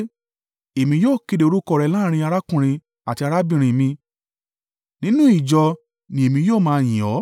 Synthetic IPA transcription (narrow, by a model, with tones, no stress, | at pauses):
e˨mĩ˧joː˦˨ke˧de˨˧o˧ɾu˦kɔ˦˧˨ɾɛ˧˦lãː˦ɾ̃ĩ˧a˧ɾa˦kũ˦˨ɾ̃ĩ˧ | a˨ti˧a˧ɾa˦bĩ˦˧˨ɾ̃ĩ˧mĩ˧ | nĩ˦nũ˦i˦˨d͡ʒɔ˧ | nĩ˧e˨mĩ˧joː˦˨mãː˧j̃ĩ˨ɔ˨˦